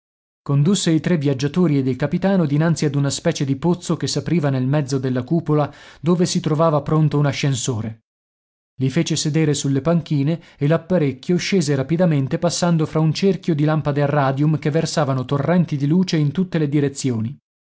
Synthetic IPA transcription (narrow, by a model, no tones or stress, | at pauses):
kond̪usːeit̪ɾevːjad͡ʒːat̪oːɾied̪ːelkapit̪aːnod̪inant̪siad̪unaspɛːt͡ʃed̪ipot̪sːokesːapɾiːvanelmɛd̪zːod̪elːakuːpolad̪oːvesit̪ɾovaːvapɾont̪ounaʃːensoːɾe | lifeːt͡ʃesed̪eːɾesulːepaŋk̟iːneː | lapːaɾekʰʲːjoʃeːzeɾapid̪ament̪epasːand̪ofɾaunt͡ʃerkjod̪ilampad̪earːaːd̪jumkevːersaːvanot̪orːɛnt̪id̪iluːt͡ʃeint̪ut̪ːeled̪iɾet̪sːjoːni